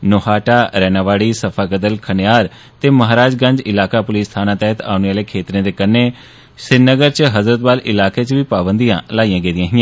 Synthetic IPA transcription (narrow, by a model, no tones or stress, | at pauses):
noːhaːʈaːɾɛːnãːʋaːɽiːsəpʰaːɡəd̪əlkʰənjaːɾ | t̪eːməɦaːɾaːd͡ʒɡə̃ɲd͡ʒɪlaːkaːpʊliːst̪ʰaːnãːt̪ɛːɦət̪a̰ːʊnaːleːkʰeːt̪ɾẽːd̪eːkənːeː | sɪnəɡəɾt͡ʃɦəzɾət̪̚baːlɪlaːkeːt͡ʃʋiːpaːbənd̪ijã̰ːlaːijãːɡeːd̪ɪjãːɦɪjãː